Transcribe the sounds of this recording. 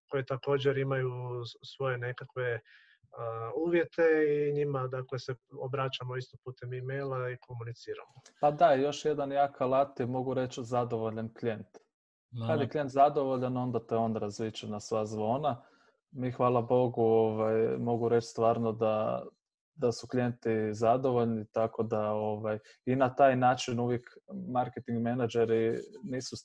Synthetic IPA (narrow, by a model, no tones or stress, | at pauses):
ko̞jet̪ako̞ːd͡ʑeɾimajusʋo̞jenekakʋe̞ | uːʋje̞t̪e̞iɲimad̪akleseobɾat͡ʃamoist̪opuːt̪emimejlˠaikʰo̞munit̪siːɾa̰mopad̪ajo̞ʃje̞d̪anjakalˠat̪imo̞ɡuɾe̞t͡ɕzad̪o̞ʋo̞ʎanklient̪ | kad̪jeklie̞nt̪zad̪o̞ʋo̞ʎano̞nd̪at̪eo̞nɾazʋit͡ʃenasʋazʋo̞ːna | mixʋaːlˠabo̞ɡuo̞ʋajmo̞ɡuɾe̞t͡ʃst̪ʋaːɾno̞d̪a | d̪asuklije̞nt̪izad̪o̞ʋo̞ʎnit̪ako̞d̪ao̞ʋaj | inat̪aːjnaːt͡ʃinuʋjekmaɾket̪iŋɡmenad͡ʒeɾiniːsu